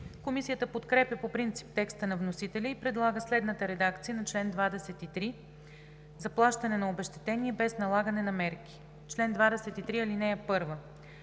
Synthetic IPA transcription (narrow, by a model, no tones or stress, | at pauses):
komisijət̪əpot̪kɾɛpʲjəpopɾint̪si̥p̚t̪ɛkst̪ənɐvnosit̪ɛlʲəipɾɛd̪lˠaɡəslɛd̪nət̪əɾɛd̪akt̪sijənɐt͡ʃlɛnd̪vad̪ɛsɛt̪it̪ɾi | zɐplˠaʃt̪ɐnɛnɐobɛʃt̪ɛ̥t̪ɛniɛbɛsnɐlˠaɡənɛnɐmɛɾk̟i̥ | t͡ʃlɛnd̪vad̪ɛsɛt̪it̪ɾiɐlinɛɛpɤɾvə